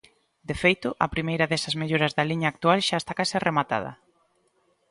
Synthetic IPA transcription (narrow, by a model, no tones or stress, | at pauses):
d̪efejt̪ʊʔɐ̰pɾimejɾɐðɛsɐzmeʎoɾɐzðɐliɲaːk̚t̪ualʃaest̪akaseremat̪a̰ð̞ɐ̰